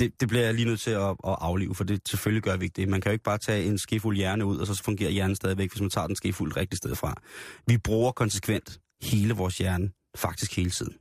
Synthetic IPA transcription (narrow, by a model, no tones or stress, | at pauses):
d̥e̝d̥e̝b̥liɐjaliːnøð̰ˠt͡sʰe̝ɒʔɒ̽ʔɑ̈ʊlḭːʊəfɒ̽d̥e̝sʰe̝lføljiɡ̥ɶɐʋie̝ɡ̥̚d̥e̝mænkʰæjo̝eɡ̥̚b̥ɑ̈ːt͡sʰɛ̰ːe̝nsɡ̥e̝fuljæɐnəuð̞̰ˠɒ̽sɒ̽fɔ̽ŋɡ̥e̝̰ːɐjæɐn̩sd̥ɛːð̞ˠiʋeɡ̥ʋe̝smænt͡sʰɑ̰̈ːd̥ensɡ̥e̝ful̰ʁeɡ̥̚d̥isd̥eð̞ˠfʁɑ̈ʋib̥ʁuːɐkʰɒ̽nsə̥kʰʋen̰d̥ | he̝ːləʋɒːsjæɐnə | fɑ̈ɡ̥̚d̥isɡ̥he̝ːlət͡sʰið̰ˠn̩